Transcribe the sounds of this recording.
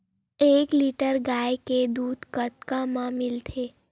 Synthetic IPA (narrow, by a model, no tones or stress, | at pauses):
ekliʈəɾɡajked̪ud̪kət̪kamãmɪlt̪ʰe